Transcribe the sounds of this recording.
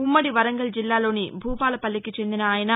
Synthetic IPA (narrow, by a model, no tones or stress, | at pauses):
umːɐɽiʋɐɾɐŋɡɐɭd͡ʒilːaːlo̞ːnibʱuːpaːɭɐpɐlːikːit͡ʃe̞nd̪inɐaːjɐnɐ